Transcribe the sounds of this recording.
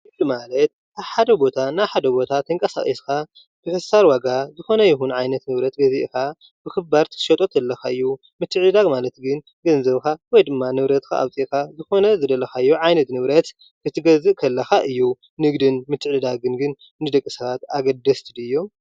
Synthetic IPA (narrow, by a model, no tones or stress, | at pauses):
ɨlɨmalɐt̪̚ | aβħad̪ɐbo̞t̪ʰanaβħad̪ɐbo̞t̪ʰat̪ʰːɐŋkʼɐsa̰xʼiskʰa | b̥ɨħɨsaɾwaɡazɨxo̞nɐjɪxunʕajnɐt̪nɨβɾɐt̪ɡɐziʔka | b̥ɨxɨbaɾt̪ʰɨ̥ʃɐt̪ʼo̞t̪ʰɐlːɐxaɨjːu | mɨt̪ʰːɨʕd̪ɨd̪aɡmalɐt̪ɡɨn | ɡɐnzɐβkʰawɔjd̪ɨmːanɨβɾɐt̪kʰa̰ʔa̰βt͡sʼiʔkazɨxo̞nɐzɨd̪ɐlɐxaɨjːuʕajnɐt̪nɨβɾɐt̪ | kʰɨt̪ʰɨɡɐzɨʔkʰɐlːɐxaʔɨjːu | nɨɡd̪ɨnmɨt̪ʰːɨʕlɨd̪aɡɨnɡɨn | nɨd̪ɐkʼːɨsɐβat̪aɡɐd̪ɐst̪ʰɨd̪ɨjːo̞m